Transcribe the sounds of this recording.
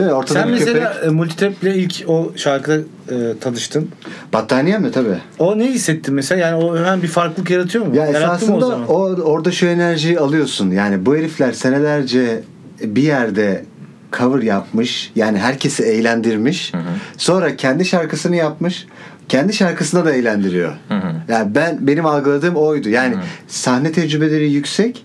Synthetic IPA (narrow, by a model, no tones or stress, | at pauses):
eo̞ɾt̪ʰad̪nmeøselʲaːmulʲt̪ʰi̥t̪ʰɛplʲɛilʲco̞ʃaɾkʰɯd̪a | ɯːt̪ʰanˠɯʃt̪ʰɯnb̥at̪ʰːaːnijamjot̪ʰabiː | oneisːɛt̪ʰːinmeselʲajaːnioøɦænbifaɾklˠɯkjaɾat̪ʰɯjo̞mjaesaːsɯnd̪aoo̞ɾd̪aʃue̞næɾʒijalˠɯjo̞sunjaːnibueɾiflʲæɾse̞ne̞lʲæɾd͡ʒɛ | bijæɾd̪ɛ | kʰavɯɾjap̚mɯʃjaːniɦæɾcʰe̞siejlʲænd̪iɾmiʃso̞nɾacʰɛnd̪iʃaɾkʰɯsɯnɯjap̚mɯʃ | cʰɛnd̪iʃaɾkʰasɯnad̪aejlʲænd̪iɾijo̞̰jaːnbænbe̞nimalˠɡɯlˠad̪ɯːmo̞jd̪ujaːnɪsahnɛt̪ʰɛd͡ʒɾybe̞lʲeɾijycʲsɛc